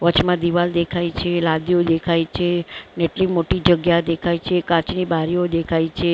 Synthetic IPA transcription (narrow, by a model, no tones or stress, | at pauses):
ʋət͡ʃmãd̪iʋald̪ekʰajt͡ʃʰelad̪iod̪ekʰajt͡ʃʰeneʈlimoʈid͡ʒəɡjad̪ekʰait͡ʃʰekãt͡ʃnibaɾiod̪ekʰait͡ʃʰe